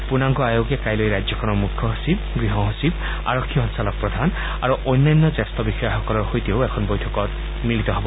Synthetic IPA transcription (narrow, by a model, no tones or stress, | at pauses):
punaŋɡɔajoɡɛkajlojɹajzɔkʰɔnɔɹmukʰːɔɦosibɡɹiɦɔɦosib | a̰ɹɔkʰːiɔnsalɔk̚pɹɔd̪ʱan | aɹuʔɔjnːajnːɔzɛstɔbixɔjaxɔkɔlɔɹxojtioʊɛkʰɔnbojtʰɔkɔt̚ | milit̪ɔɦobɔ